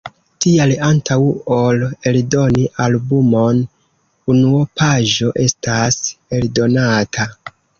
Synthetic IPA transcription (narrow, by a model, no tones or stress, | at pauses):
tialantʰawole̞ldo̞niʔalbumo̞n | unuopʰaʒo̞ʔe̞stase̞ldo̞natʰa